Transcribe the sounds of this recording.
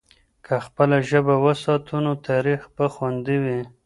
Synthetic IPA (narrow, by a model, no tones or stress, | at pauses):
kʰaxpəlaʒəbawəsɑt̪ʰunot̪ʰaɾixbəxwand̪iwi